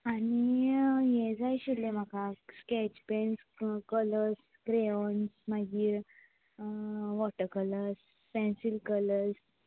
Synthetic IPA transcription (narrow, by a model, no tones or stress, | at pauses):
anijɛd͡zajɕilem̤akaskɛt͡ɕpens | kələs | kɾeɔnsmaɡiːɾ | ʋɔʈəɾkələɾs | pɛ̃nsilkələɾs